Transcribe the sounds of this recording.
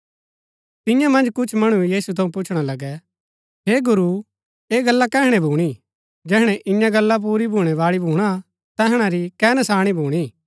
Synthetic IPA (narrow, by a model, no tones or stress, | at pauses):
t̪ɪ̃jãmɐ̃nd͡ʒkʊt͡ʃʰmɐɽ̃ujiːsut̪ʰɐũpʊt͡ʃʰɽ̃alɐɡɛ | ɦeːɡʊɾu | eːɡɐlːakɛːɦɽ̃ɛbʱuːɽ̃i | d͡ʒɛːɦɽ̃ɛʔɪ̃jãɡɐlːap̬uːɾibʱuːɽ̃ɛʋaːɭibʱuːɽ̃a | t̪ɛɦɽ̃aɾikɛːnasaːɽ̃ibʱuːɽ̃i